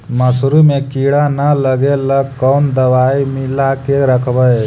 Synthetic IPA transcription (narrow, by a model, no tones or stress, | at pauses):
məsɾumẽkiɽanələɡeləkɔːnd̪əʋaːimilakeɾəkʰʋəj